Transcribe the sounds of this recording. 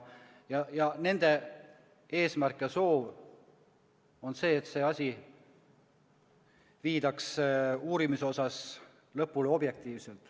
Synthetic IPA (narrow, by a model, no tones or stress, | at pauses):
jɑjɑne̞nd̪̥e̞ | e̞ːsmærkjɑso̞ːv | o̞nse̞ːt̪se̞ːɑsʲi | viːd̪ɑksuːɾimiso̞sɑs | lɤpːˑuleo̞b̥je̞k̚t̪iːvselt̪ˑ